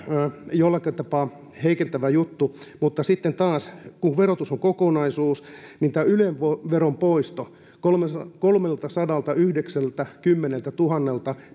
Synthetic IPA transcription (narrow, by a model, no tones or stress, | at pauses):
jolːɑket̪ɑpɑ | heikent̪æʋæjut̪ːumut̪ːɑsit̪ːent̪ɑːskuʋerot̪usoŋkokonɑisuːsnint̪æːyleʋʋoʋerompoist̪o | kolmekolmelt̪ɑsɑdɑlt̪ɑyhdeksælt̪ækymːenelt̪æt̪uhɑnːelt̪ɑ